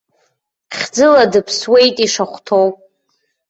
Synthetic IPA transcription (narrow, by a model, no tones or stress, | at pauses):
χʲd͡zɨladɨpʰswe̞jtʼiʂaχʷtʰowpʼ